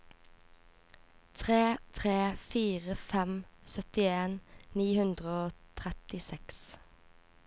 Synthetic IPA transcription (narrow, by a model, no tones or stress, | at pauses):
t̪ʰʁeːt̪ʰʁeːfiːʁəfɛmsœt̪ɪeːnniːhʉnd̪ʁəoːt̪ʰʁɛt̪ɪsɛks